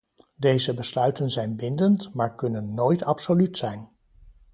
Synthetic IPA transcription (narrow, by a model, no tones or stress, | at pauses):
dejzəbəslœɥtənzɛjnbɪndəntmaːɹkɵnənːojtɑpsolytsɛjn